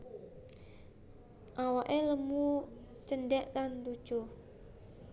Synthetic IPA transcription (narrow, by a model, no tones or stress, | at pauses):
ʔawaʔeləmu | t͡ʃənɖɛʔlant̪u̥ʒ̥o